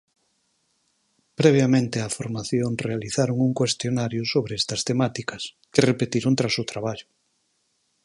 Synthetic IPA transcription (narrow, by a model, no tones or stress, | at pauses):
pɾeβ̞jamẽnt̪eafoɾmaθjonrealiθaɾoŋuŋkwest̪jonaɾjʊsoβɾeɛst̪ɐst̪emat̪ikɐs | kerepet̪iɾont̪ɾasʊt̪ɾaβ̞aʎʊ